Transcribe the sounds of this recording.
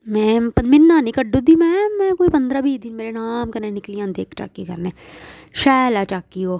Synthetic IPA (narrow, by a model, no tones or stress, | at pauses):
mɛ̃pɐnmɪnːaːnĩkɐɖud̪imɛ̃ːmɛ̃ːkoːipɐ̃nd̪ɾabʱiːd̪inmeːɾenaːmkɐɾnẽnɪklijãːd̪eːkt͡ʃa̰ːkːikɐɾneːʃɛːlat͡ʃaːkːiɦoː